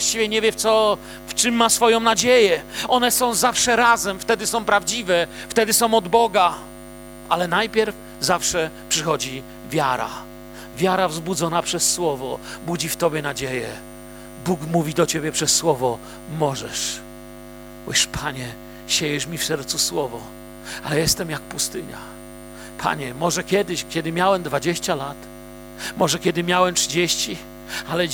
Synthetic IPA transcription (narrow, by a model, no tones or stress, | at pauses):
aɕt͡ɕivʲjɛɲɛvʲjɛt̪sɔ | ft͡ʂɨmːasfɔjɔ̃w̃nad͡ʑejɛɔnɛsɔ̃w̃zafʂɛɾazɛmft̪ɛd̪ɘsɔ̃w̃pɾavd͡ʑivɛft̪ɛd̪ɘsɔ̃w̃ɔd̪bɔɡa | alɛnajpʲjɛɾf | zafʂɛpʂɨxɔd͡ʑi | vʲjaɾa̰ | vʲjaɾavzbud̪zɔnapʂɛsːwɔvɔbud͡ʑift̪ɔbʲjɛnad͡ʑejɛ | bukmuvʲid̪ɔt͡ɕebʲjɛpʂɛsːwɔvɔ | mɔʐɛʂ | ṵʂpʰaɲɛ | ɕejɛʂmʲifsɛɾt̪suswɔvɔ | alɛjɛst̪ɛmjak̚pust̪ɘɲa̰ | pʰa̰ɲɛmɔʐɛkʲɛd̪ɘɕkʲɛd̪ɘmʲjawɛmd̪vad͡ʑeɕt͡ɕalat̪ | mɔʐɛkʲɛd̪ɘmʲjawɛmtʂɘd͡ʑeɕt͡ɕi | alɛ